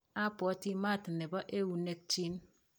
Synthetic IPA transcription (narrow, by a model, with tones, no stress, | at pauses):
a˦pɔ˨˦ti˦ma˦˨ti˨ne˨bɔ˦ʔe˦wu˨ne˦k̚t͡ʃi˦n